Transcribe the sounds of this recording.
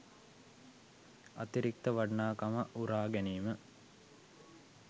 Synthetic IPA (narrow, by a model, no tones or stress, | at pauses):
a̰t̪iɾik̚t̪əʋaɖnaːkaməʔuɾaːɡɛniːmə